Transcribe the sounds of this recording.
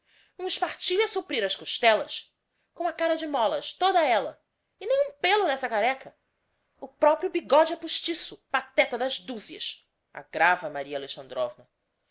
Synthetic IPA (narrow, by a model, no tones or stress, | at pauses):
ũiʃpaɾt͡ʃiʎɐsupɾiɾɐʃkoʃt̪ɛlɐʃ | kõũɐkaɾɐd͡ʒɪmɔlɐʃt̪od̪ɐɛlɐ | ɪnẽj̃ũpelʊnɛsɐkaɾɛkʰɐ | ʊpɾɔpɾjʊbiɡɔd͡ʒɪapuʃt͡ʃisʊpat̪ɛt̪ɐd̪ɐzd̪uziɐ̰ʃ | a̰ɡɾavɐmaɾiɐaleʃɐ̃nd̪ɾɔvnɐ